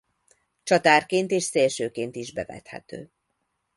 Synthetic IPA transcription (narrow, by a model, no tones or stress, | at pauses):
t͡ʃɒt̪aːrkeːnt̪eːʃseːlʃøːkeːnt̪iʒbɛvɛ̰t̪hɛ̰t̪ø̰ː